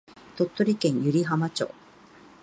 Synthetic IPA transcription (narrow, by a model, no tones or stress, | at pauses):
t̪o̞t̪ːo̞ɾʲikẽ̞ɰ̃jɯ̟ɾʲiɦamat͡ɕo̰ː